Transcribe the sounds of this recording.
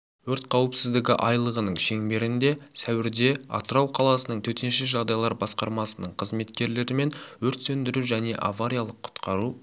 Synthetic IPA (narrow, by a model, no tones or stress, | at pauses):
wɵɾt̪̚qʰɑwəpsɪzd̪ɪɡʲɪ̰ʔɑjlˠəʁənəɴʃe̞ŋbe̞ɾɪnd̪e̞sæwɪɾd̪e̞ɑ̰t̪əɾɑwqʰɑlˠɑsənəɴt̪ʰɵt̪enʃɪʒɑʁd̪ɑjlˠɑɾbɑsqɑɾmɑsənəɴqʰəzme̞t̪kʲe̞ɾle̞ɾɪme̞nwɵɾt̪sɵnd̪ɪɾuwʒæne̞ʔa̰vaɾʲijalˠəqʰːʊ̥t̪qɑɾu